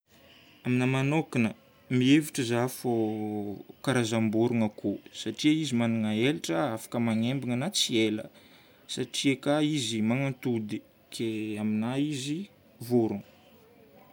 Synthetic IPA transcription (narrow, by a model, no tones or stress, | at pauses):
aminəmanokinə | mieviʈ͡ʂəzafo | kaɾazambuɾuŋəkusaʈ͡ʂiaizimanuŋaelaʈ͡ʂəafḁkəmaŋembiŋənat͡sielə̰ | saʈ͡ʂiekaizimaŋant̪ud̪i | kʰeaminaizi | vuɾuŋ